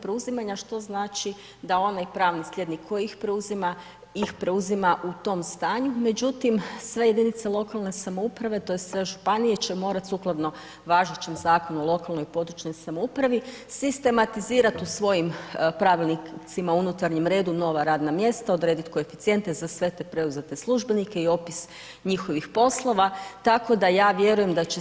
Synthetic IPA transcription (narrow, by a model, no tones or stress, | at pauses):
pɾeuzimaɲaʃt̪o̞znaːt͡ʃi | d̪ao̞najpɾaːʋnislʲje̞d̪nikʰːo̞jiixpɾeuzima | ixpɾe̞uzimaʔut̪o̞mst̪aːɲume̞d͡ʑut̪imsʋe̞je̞d̪init̪selˠo̞kalˠne̞samoupɾaʋe̞t̪o̞jessʋe̞ʒupanijet͡ɕe̞mo̞ːɾat̪suklˠad̪no̞ | ʋaːʒet͡ɕemzaːko̞nuolˠo̞kalˠno̞jpo̞d̪ɾut͡ʃno̞jsamoupɾaʋi | sist̪e̞mat̪iziːɾat̪usʋo̞jimpɾaʋilnit̪simaunut̪aɾɲemɾe̞ːd̪uno̞ʋaɾaːd̪namje̞st̪ao̞d̪ɾed̪it̪koefi̥t̪sije̞nt̪ezasʋe̞t̪e̞pɾe̞uzet̪e̞slˠuʒbe̞nike̞io̞pis | ɲixo̞ʋixpo̞slˠo̞ʋat̪ako̞d̪ajaːʋje̞ɾuje̞md̪at͡ɕe